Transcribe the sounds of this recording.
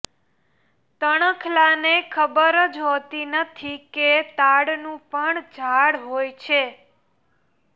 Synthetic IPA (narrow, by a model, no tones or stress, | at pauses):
t̪əɽ̃əkʰlanekʰəbəɾəd͡ʒɦot̪inət̪ʰiket̪aɽnũpəɳd͡ʒʱaɽɦojt͡ʃʰe